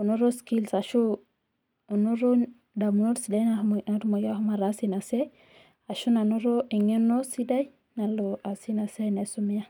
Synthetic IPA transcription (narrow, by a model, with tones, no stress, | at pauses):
o˨no˦ɾo˦ski˦lsa˨ʃu˦ | o˨no˦ɾo˦ | da˨mu˨no˦ɾsi˨da˦jna˨na˦ɾmo˨ja˦hma˨ɾa˦si˦na˨se˦ | a˨ʃu˦na˨no˦ɾo˦i˨ŋe˦no˦si˦da˦j | na˨lo˨a˨si˦na˨se˦ne˨su˦mi˦ja˦